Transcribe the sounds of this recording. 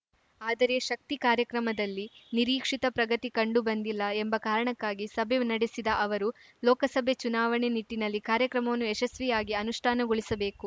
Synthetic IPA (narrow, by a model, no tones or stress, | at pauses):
aːd̪ɐɾe̞ʃɐk̚t̪ikaːɾjɐkɾɐmɐd̪ɐlːiniɾiːkʂit̪ɐpɾɐɡɐt̪ikɐɳɖubɐnd̪ilːɐembɐkaːɾɐɳɐkːaːɡisɐbʱeunɐɽesid̪ɐʔɐʋɐɾu | lɔːkɐsɐbʱet͡ʃunaːʋɐɳeniʈːinɐlːikaːɾjɐkɾɐmɐʋɐnːuɛʃɐsʋijaːɡiɐnuʂʈʰaːnɐɡoɭisɐbe̞ːku